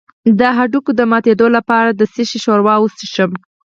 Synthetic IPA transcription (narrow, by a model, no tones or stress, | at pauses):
d̪əɦaɖukod̪əmɑt̪ed̪olapɑɾad̪əsiʃiʃoɾwɑwusiʃəm